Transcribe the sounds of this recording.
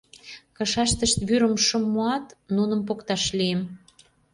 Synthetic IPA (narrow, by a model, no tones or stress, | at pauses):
kɤ̆ʃɑʃt̪əʃt̪βyɾə̆mʃə̆mːoɑt̪nunə̆mpokt̪ɑʃliem